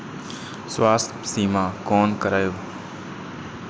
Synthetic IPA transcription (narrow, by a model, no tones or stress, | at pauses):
swaːst̪ʰsiːmãːkoːnkəɾaːjoː